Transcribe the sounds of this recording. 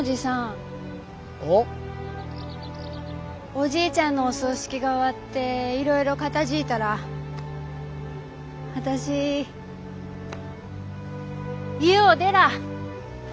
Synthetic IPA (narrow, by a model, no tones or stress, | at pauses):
od͡ʑisã | o | o̞ʑiːt͡ɕãnːo̞ːsoɕi̥kʲiɡaoβat̪ːe̞iɾo̞iɾo̞kat̪aʑiːt̪aɾa | βat̪aɕi | ɯod̪e̞ɾa